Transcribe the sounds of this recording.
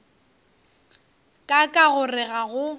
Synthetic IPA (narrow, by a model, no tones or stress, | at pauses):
kʼakʼaɣʊrɪɣaɣʊ